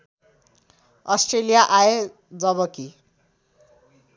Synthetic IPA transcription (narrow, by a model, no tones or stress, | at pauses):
ʌsʈrelijaʔae | d͡zʌβʌki